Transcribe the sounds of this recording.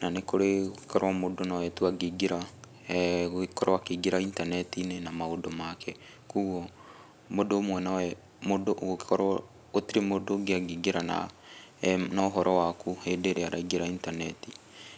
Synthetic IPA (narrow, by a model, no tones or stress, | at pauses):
nanekoɾeoki̥kɔɾwamodonawɛtuaɡiɡeɾa | oekɔɾɔwakeɡeɾaintanɛtinenamaodomakʰɛ | kuɣɔ | modoːmwɛnawɛ | modoʔɡokkɔɾ | otiɾemodoɡeaɡiɡeɾana̰ | naɔɦɔɾɔwakuhedeɾeaɾaiɡeɾaintanɛti